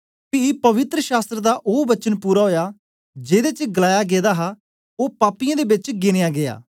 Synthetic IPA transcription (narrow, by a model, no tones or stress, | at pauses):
pipəʋɪt̪ɾəʃaːst̪ɾəd̪aːʔoːbət͡ʃənpuːɾaːɦoːjaː | d͡ʒeːd̪eːt͡ʃɡəlaːjaːɡeːd̪aːɦaː | oːpaːpɪjãːd̪eːbɪt͡ʃɡɪnejaːɡɪa̰ː